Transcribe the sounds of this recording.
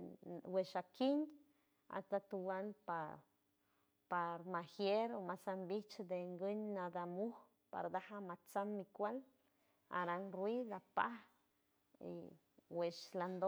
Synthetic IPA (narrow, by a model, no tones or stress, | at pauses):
weʃakiɲ | a̰t̪at̪uwanpa | paɾmahjeɾomasambit͡ʃd̪eŋɡəɲnad̪amuh | pa̰ɾd̪ahamat͡samːikʷal | a̰ɾanɾwilapa̰h | ḭ | weʃland̪o